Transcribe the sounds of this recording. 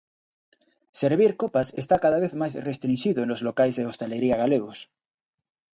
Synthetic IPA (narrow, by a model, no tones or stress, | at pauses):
seɾβ̞iɾkopasest̪akaðaβ̞eθmajsrest̪ɾinʃiðoenlozlokajzðeost̪eleɾiaɣaleɣ̞os